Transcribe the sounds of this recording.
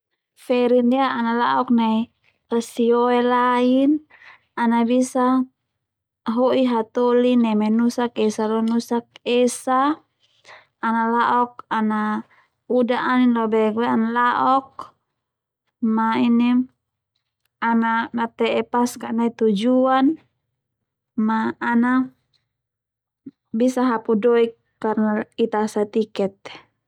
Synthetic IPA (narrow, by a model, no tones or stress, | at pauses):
fɛɾindiaːnalaʔɔknai | asiɔɛlain | anabisa | ɦoʔiɦat̪ɔlinɛmɛnusakɛsalɔnusak̚ɛsa | nalaʔɔk̚ana | udaʔaninlɔbɛɡuɛanalaʔɔk̚ | maini | anaŋat̪ɛɛpaskanait̪ud͡ʒuan | maːna | bisaɦapudɔikːarnait̪asat̪ikɛt̪̚